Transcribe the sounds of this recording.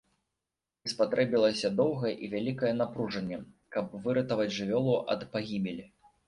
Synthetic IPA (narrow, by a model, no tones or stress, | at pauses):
ispat̪ɾɛbʲilˠɐsʲɐd̪ɔwɣɐjɛʔivʲalʲikɐjɛn̪apɾuʐɐnʲːɛ | kɐbvɨɾɐt̪ɐvɐd͡zʲʐɨvʲɔlˠuʔɐ̰t̪paɣʲimʲɛlʲi